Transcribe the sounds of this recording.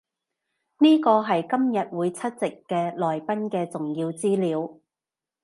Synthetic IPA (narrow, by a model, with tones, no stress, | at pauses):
niː˥kɔː˧ɦɐ˨jkɐ˥mjɐ˨t̚wuː˨˧jt͡sʰɐ˥t̚t͡sɪ˨kːɛː˧lɔː˨jpɐ˥nkɛː˧t͡sʊ˨ŋjiː˧wt͡siː˥liː˨˧w